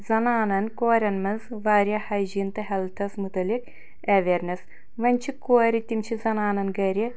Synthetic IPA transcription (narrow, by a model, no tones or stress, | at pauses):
zɐnaːnɐnkoːɾʲɐnmɐnzʋaːɾʲjɐhɐjd͡ʒint̪ɐɦɐlt̪ʰɐsmut̪ɐlik | ɐʋeɾnɐs | ʋɐnʲt͡ʃʰikoːɾit̪imt͡ʃʰizɐnaːnɐnɡɐɾʲi